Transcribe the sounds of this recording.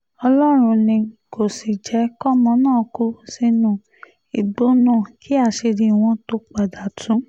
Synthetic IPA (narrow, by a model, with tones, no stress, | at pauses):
ɔ˧lɔ˦ɾ̃ũ˧nĩ˧ko˨si˨d͡ʒɛ˨˦kɔ˦mɔ̃˧˦nãː˦˨ku˦si˧nũ˦˨ | i˨ɡ͡bo˦nũ˦˨kʰi˦a˦˨ʃe˧ɾi˧˨w̃ɔ̃˧to˧˦k͡pa˨da˨tʰũ˨˦